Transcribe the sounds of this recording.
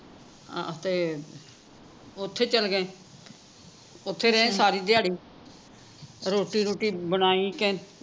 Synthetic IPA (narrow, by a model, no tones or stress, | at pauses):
t̪eː | ʊt̪ʰːeːt͡ʃəlɡəẽː | ʊt̪ʰːeːɾɛːẽːsaːɾiːd̪ɪjaːɽiː | ɾoːʈiːɾoːʈiːbənaːiːkẽː